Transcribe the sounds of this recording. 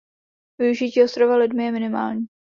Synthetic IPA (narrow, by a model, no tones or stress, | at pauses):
vɪuʒɪciːost̪ɾovalɪdmɪjɛmɪnɪma̰ːlɲiː